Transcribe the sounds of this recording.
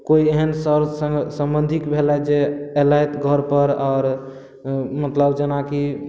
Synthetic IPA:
koieɦənsəɾsəɡsəmbənd̪ʱikbʱelɛd͡ʒeelajt̪ɡʱəɾpəɾɔːɾ | mət̪ləbd͡ʒenaki

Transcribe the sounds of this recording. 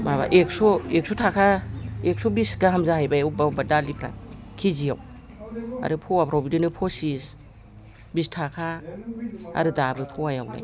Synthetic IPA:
maβa̰ʔek̚sɔek̚sɔtʰakʰaek̚sɔbisɡahamzahajbajawbawbadalipʰɾa̰kʰizijaw | a̰ɾɯpʰɔwapʰɾɔbidɯnɯpʰɔsis | bistʰakʰa | a̰ɾɯdabɯpʰɔajawla̰j

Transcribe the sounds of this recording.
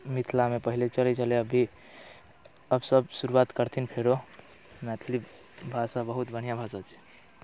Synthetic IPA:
mit̪ʰlamepəɦilet͡ʃəlet͡ʃəleəbʱi | əbsəbsuɾuat̪kəɾt̪ʰinpʰeɾo | mɛt̪ʰli | bʱasabəɦut̪bəñ̤ijabʱasat͡ʃʰɛ̥

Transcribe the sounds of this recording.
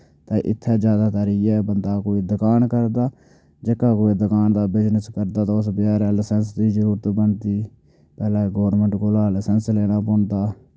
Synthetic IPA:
t̪ẽːʔɪ̰t̪ʰːɛːd͡ʒjaːd̪aːt̪əɾiːɛːbənd̪aːkoːiːd̪əkaːnkəɾd̪aː | d͡ʒeːkaːkoːid̪əkaːnd̪aːbɪd͡ʒnəskəɾd̪aːt̪aʊsbɪjaːɾɛːləsɛnsd̪iːzəɾuːɾət̪bəɳt̪iː | pɛːlɛ̃ːɡoːɾnmə̃ɳʈkoːlaːləsɛnsleːɽ̃aːpoːɳd̪aː

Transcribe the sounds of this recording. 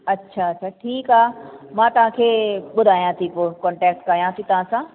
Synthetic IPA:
ɐtːʃʰaɐtːʃʰaʈʰiːkaːmãːt̪ɐʋ̤ãkʰeːɓʊd̪ʱaːjãt̪ʰipoːkɔ̃ːɳʈɛːk̚ʈkaːijãt̪it̪ɐʋ̤ãsãː

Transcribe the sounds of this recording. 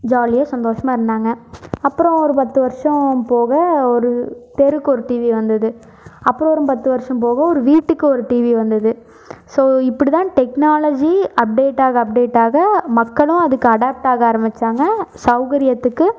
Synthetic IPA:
d͡ʒaːlɪjaːsɐnd̪oːʂɐmaːɪɾɯnd̪aːŋɡɐɐpːɯɾɔ̃ɔɾɯpɐt̪ːɯʋɐɾʂɐ̃poːɣɐɔɾɯt̪ɛɾɯkːɔɾɯʈiːʋiʋɐnd̪ɐðɯ | ɐpːɯɾɔ̃ɔɾɯmpɐt̪ːɯʋɐɾʂɐ̃mpoːɣɐɔɾɯʋiːʈːɯkːɯɔɾɯʈiːʋiʋɐnd̪ɐðɯ | soːɪpːɐɽit̪ãːʈɛknaːlɐd͡ʒiɐp̚ɖeːʈːaːɣɐɐp̚ɖeːʈːaːɣɐmɐkːɐɭʊ̃ɐðɯkːɯɐɽaːp̚ʈaːɣɐaːɾɐmɪt͡ʃːaːŋɡɐsɐʊɣɐɾɪjɐt̪ːɯkːɯ

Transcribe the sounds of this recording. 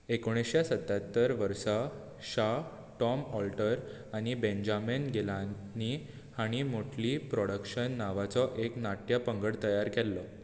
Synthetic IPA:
ekoɽ̃esjasət̪ːat̪ːəɾʋəɾsa | ɕa | ʈɔmɔlʈəɾ | aɽ̃ibend͡ʑamenɡʱela | ni | haɽ̃imoʈʰlipɾɔɽəkɕənːaʋat͡sɔʔeknaʈjapəŋɡəɽt̪əjaɾkɛlːə

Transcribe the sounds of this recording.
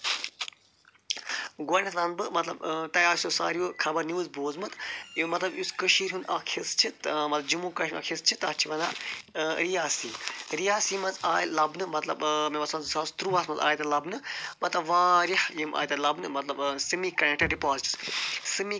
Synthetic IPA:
ɡɐːnʲɐt̪laːnbɨmɐt̪lɐ̰bt̪ɐjaːsosa̰ːɾiukʰɐbɐɾniʋɨzboːzmɨt̪jimɐt̪lɐbjuskəʃiːɾɦunɐkʰist͡ʃʰimɐt̪lɐb̚d͡ʒimuːkɐʃɾmɐ̰kʰist͡ʃʰit̪aːt͡ʃʰiʋɐnd̪aːɾijaːsiːɾijaːsiːmɐzaːjlɐbnɨmɐt̪lɐ̰bmemɐsmɐzsɐst̪ɾuːʋasmɐza̰ːjt̪ɐlɐbnɨmɐt̪lɐbʋaːɾʲɐhjimʔa̰ːjt̪ɐlɐbnɨmɐt̪lɐbsɨmikɐnek̚ʈɐɖipaːzʈɨ̥ssɨmi

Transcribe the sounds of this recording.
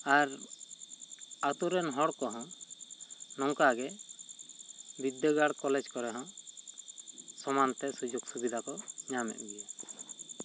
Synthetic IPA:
aɾ | at̪uɾɛnɦɔɽkɔɦɔ̃ | nɔŋkaɡɛ | bid̪ːəɡaɽkɔlɛd͡ʒkɔɾɛɦɔ̃ | sɔmant̪ɛsud͡ʒuɡsubid̪akɔɲamɛ̰ʔ̪̚bija

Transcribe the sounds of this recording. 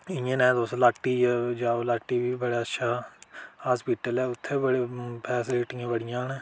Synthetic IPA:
ɪjə̃nɛ̃ːd̪oslaːʈːiːd͡ʒaːolaːʈːiːbiːbəɽaːətːʃʰaːhaːspiʈəlɛːʊt̪ʰːebəɽepʰɛːsɪliʈɪãːbəɽɪjãːnɛ̃ː

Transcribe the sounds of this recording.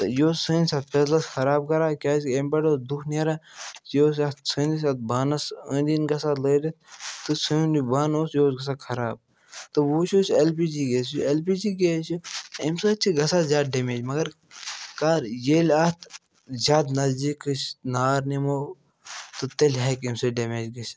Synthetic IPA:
t̪ɨjoːssɨnsʲɐt̪̚pezlɐsxʰɐɾaːb̚kɐɾaːkʲaːsembɐɖoːd̪ukʰneɾajoːs̬ɐt̪sɨnis̬ɐt̪̚baːnɐsəd̪inɡɐsaːləːdɐt̪̚t̪ɨsɨunibaːnoːsjoːsɡɐs̬aːkʰɐɾaːb̚ | t̪ɨʋoːt͡ʃʰoːt͡ʃelpiːd͡ʒiːɡeːselpiːd͡ʒiːɡeːsuimsəːt͡ʃʰiɡɐsaːzʲaːd̪̚ɖemeːd͡ʒmɐɡɐɾ | kaːɾjeːlʲat̪ʰ | zʲaːd̪nɐzd͡ʒikɨt͡ʃnaːɾnimoː | t̪ɨt̪elʲɦekimsɐːɖemeːd͡ʒɡɐs

